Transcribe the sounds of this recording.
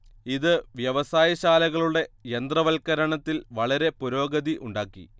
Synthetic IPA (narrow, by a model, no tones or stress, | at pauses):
iðɨʋjɐʋɐsaːjɐɕaːlɐɣɐɭuɽe̞end̪rɐʋɐlkɐɾɐɳɐt̪ːilʋɐɭɐɾe̞puɾo̞ːɡɐðiʔuɳɖaːkːḭ